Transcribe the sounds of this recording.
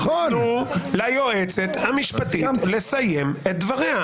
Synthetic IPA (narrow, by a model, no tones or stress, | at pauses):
oulajo̞et͡se̞t̪hamiʃpat̪ile̞saje̞met̪̚d̪vaʁeha